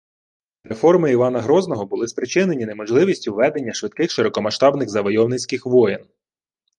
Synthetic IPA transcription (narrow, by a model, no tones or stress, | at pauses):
ɾe̞fɔrmɪiʋɑnɐɦɾɔznɔɦɔbʊlˠɪspɾɪt͡ʃɪne̞nʲinemɔʒlˠɪʋʲisʲtʲʊʋɛd̪e̞nʲːɐʃʋɪt̪kɪxʃɪɾɔkɔmɐʃt̪ɑbnɪxzɐʋɔjɔwnɪt͡sʲkɪxʋɔjɪn